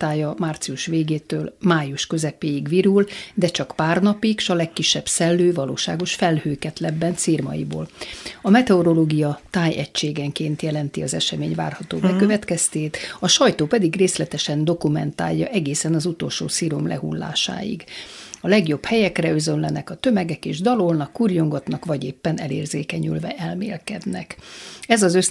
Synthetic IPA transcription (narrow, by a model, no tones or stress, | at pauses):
t̪aːjɒmaːrt̪siuʃʋeːɡeːt̪øːlmaːjuʃkø̞zɛpeːjiɡʋiɾuld̪ɛt͡ʃɒkpaːrnɒpikʃɒlɛkːiʃːɛbsɛlːøːvɒlo̰ːʃaːɡo̞ʃfɛlhøːkɛt̪lɛbːɛnt̪firmɒ̰jḭbo̰ːlɒmɛt̪ɛoɾo̞loːɡijɒt̪aːjɛ̰ct͡ʃːeːɡɛŋkeːnt̪jɛlɛnt̪iɒzɛʃɛmeːɲva̰ːrhɒt̪oːbɛkøvɛt̪kɛst̪eːt̪ɒʃɒjt̪oːpɛd̪iɡreːslɛt̪ɛʃɛnd̪o̞kumɛnt̪a̰ːjːɒʔɛɡeːsɛnɒzut̪o̞lʃo̰ːsiɾomlʔɛ̰ɦṵlːa̰ːʃa̰ːjḭɡɒlɛɡjo̞bhɛjɛkrɛøzønlɛnɛkɒt̪ø̞mɛɡɛkeːʒd̪ɒlo̞lnɒkːurjo̞ŋɡot̪nɒkʋɒɟeːpːɛnɛ̰lḛːrzeːkɛɲy̰lvɛʔɛlmḛːlkɛ̰d̪nɛ̰kɛzɒzøs